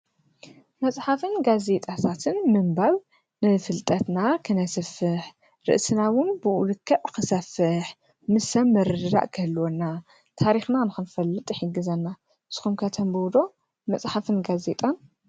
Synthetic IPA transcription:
mɐsʼħafɨnɡaze̞t̪ʼat̪ʰat̪ʰɨnmɨmbaβ | nɨfɨlt̪ʼɐt̪nakʰɨnɐsɨfɨħ | ɾɨ̰ʔsɨnawʊnbɨʔulɨkʰːɐʔkɨsɐfɨħ | mɨsɐmmːɐɾɨɾɨɾa̰ʔkʰɐlːwonːa | t̪ʰaɾixnanɨxɨnfɐlːɨt̪ʼħiɡːɨzɐnːa | ʔɨsxumkʰɐt̪ʰɐmbɨwd̪o̞ | mɐt͡sʼħafɨnɡaze̞t̪ʼan

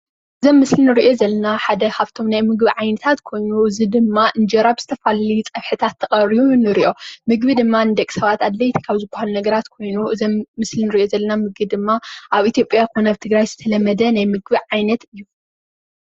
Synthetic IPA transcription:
ʔɨɨzomːɨslinɨɾiʔo̞zɐlːɐnaħad̪ɐhʰaβt̪ʰo̞mnajmɨɡbiʕajnɐt̪ʰat̪kʰo̞jnuɨzɨd̪ɨmːaʔɨnd͡ʒɐɾabzɨt̪ʰɐfallit͡sʼɐβħɨt̪ʰat̪ʰːɐχʼɐɾiunɨɾiʔo̞mɨɡbid̪ɨmːand̪ɐkʼsɐβat̪ad̪lɐjt̪ʰi̥kʰaβzɨbːɐhalunɐɡɐɾat̪kʰo̞jnuʔɨzomːɨslinɨɾiʔjo̞zɐlːɐnamɨɡbid̪ɨmːaʔaβʔit̪ʰjo̞pʼjakʰonaβt̪ʰɨɡɾajz̥ɨt̪ʰɐlɐmːɐd̪ɐnajmɨɡbiʕajnɐt̪ɨjːu

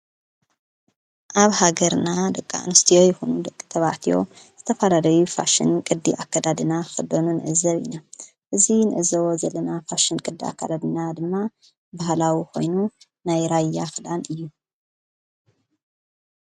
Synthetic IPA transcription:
ʔaβhaɡɐɾnad̪ɐkʼːa̰nɨst̪ʰijo̞jɨxunud̪ɐkʼːit̪ʰɐβaʕt̪ʰijo̞̰ | z̥ɨt̪ʰɐfalalɐjufa̰ʃɨ̰nkʼɨd̪ːiʔakːad̪ad̪ɨnaxɨd̪ɐnunɨ̰ʕɨzːɐβḭna | ʔɨzinɨʔɨzːɐwozɐlɐnafaʃɨnkʼɨd̪ːia̰kʰːad̪ad̪ɨnad̪ɨmːa | bahlawiko̞̰jnu | najɾajːaxɨd̪anɨjːu

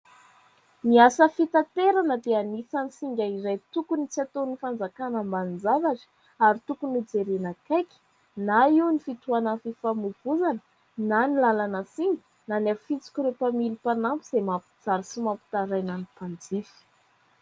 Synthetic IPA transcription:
niasəfit̪at̪eɾanəd̪eanisanisiŋɡʲaiɾajt̪ukunit͡siat̪onifand͡zakanəmbanind͡zavaʈ͡ʂi̥ | aɾit̪ukunid͡zeɾenakajkʲi̥ | naiwnifit̪uanafifamuvuzanə | nanilalanəsiŋɡə̥ | nanafit͡si̥kʲuɾepamilipanampuz̥emapu̥d͡zaɾisimampu̥t̪aɾajnanipand͡zifi̥

